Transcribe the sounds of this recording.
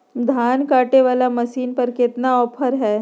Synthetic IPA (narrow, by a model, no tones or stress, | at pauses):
d̪ʱaːnkaːʈeʋaːlamɐʃiːnpɐɾkɪt̪naɔːpʰəɾɦɛː